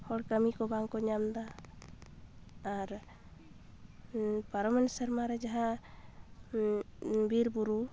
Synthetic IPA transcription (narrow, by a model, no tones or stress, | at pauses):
hɔɽkəmikɔbaŋkɔɲamd̪a | ɾ | paɾɔmɛnsəɾmãɾɛd͡ʒaɦã | biɾbuɾu